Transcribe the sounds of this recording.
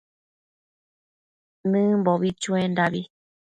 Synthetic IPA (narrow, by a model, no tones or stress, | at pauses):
nɨ̃mboβit͡ʃũend̪aβi